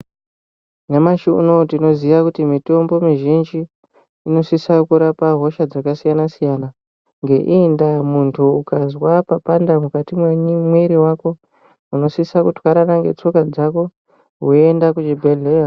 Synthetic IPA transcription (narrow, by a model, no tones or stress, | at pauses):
nemaʃuṵno̞tino̞ziʋakutimito̞mbo̞miʒind͡ʒiː | no̞sisakuɾapaɦo̞ʃad͡zakasijanasijana | ŋɡe̞ʔindamuntʰuukazwapapandamukatimwemweɾiwako̞ | uno̞sisakutwaɾanaŋɡe̞t͡so̞kad͡zako̞ | ɦue̞ndakut͡ʃibʱeɮea